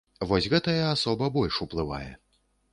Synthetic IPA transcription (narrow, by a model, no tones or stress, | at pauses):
vɔsʲɣɛt̪ɐjɛasɔbɐbɔlʲʂuplˠɨva̰jɛ̰